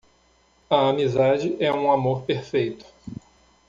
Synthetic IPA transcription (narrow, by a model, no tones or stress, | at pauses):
ɐamizad͡ʒɪʔɛũamoɾpeɾfejt̪ʊ̥